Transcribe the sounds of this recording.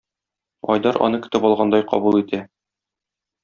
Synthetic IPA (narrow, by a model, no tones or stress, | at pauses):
ɒ̰jd̪ɑɾʔɒ̰nɤkɵ̆t̪ɘpɒlˠʁɑnd̪ɑjqɒ̰bulˠit̪ʰæ